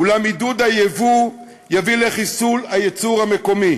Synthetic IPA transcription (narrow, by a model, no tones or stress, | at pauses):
ulamid̪ud̪ajevu | javileχisulajet͡suʁhame̞ko̞mi